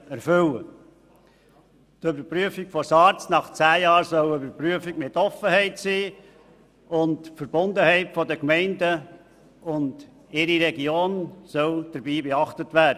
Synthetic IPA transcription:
æɾfʏwə̰ | t̪ʏbəɾpɾyəfikfɔsɑɾt͡snɑχt͡sæːjɑːɾsœwøbəɾpɾyəfiɡmɪtɔfəɦɛɪtsiː | ʊntfəɾbʊndəhɛɪtfɔdəkmɛɪndə | ʊnd̥ | ɪɾiɾɛɡioːnsœwd̥əɾbiːbeɑχtətʋæːdə

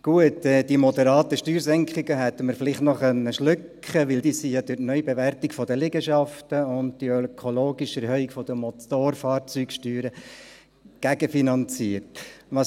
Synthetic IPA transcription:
ɡ̥uətɛdimɔd̪əɾɑːt̪əʃtyːɾsɛŋkχɪɡəɦɛt̪ːəməɾfɪlɪχtnɔχœnːəʃlʏk | χəʋɪld̥̪iːsijɑd̥̪ɪtnœʏbeʋærtɪkfɔdəlɪɡəʃɑftəʊnt̚d̥iølkʰoloːɡiʃɛɾɦhœikfɔd̥̪əmɔt̪oːɾfɑːɾt͡sykʃtyːɾə | ɡ̥æɡəfinɑnt͡siəɾtʋɑs

